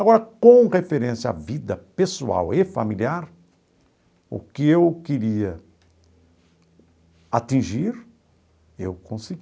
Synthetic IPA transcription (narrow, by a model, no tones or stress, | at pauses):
aɡɔɾɐkõw̃ʁefeɾẽsja̰vid̪ɐpesua̰wefa̰miliaɾ | ʊ̰kɪewkeɾiɐ | at̪ĩʒiɾ | ewkõsɪɡ